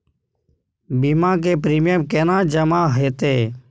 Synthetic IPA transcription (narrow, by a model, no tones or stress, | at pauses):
biːmãːk̬eːpɾiːmɪjəmkeːnãːd͡ʒəmãːɦeːt̪eː